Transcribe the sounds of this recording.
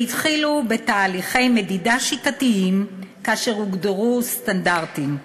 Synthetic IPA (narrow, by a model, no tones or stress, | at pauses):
itχilube̞taːliχe̞jme̞didaʃitatiimkaaʃe̞ʁuɡdeʁust̪andaʁtim